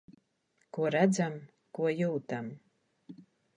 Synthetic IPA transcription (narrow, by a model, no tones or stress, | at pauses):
kuɔɾæd̪zam | kuɔjuːt̪am